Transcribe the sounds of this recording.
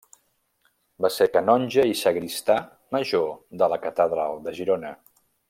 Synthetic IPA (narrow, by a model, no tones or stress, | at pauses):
basekənɔnʲʒəisəɣɾist̪a | məʒoðələkət̪əðɾalˠd̪əʒiɾonə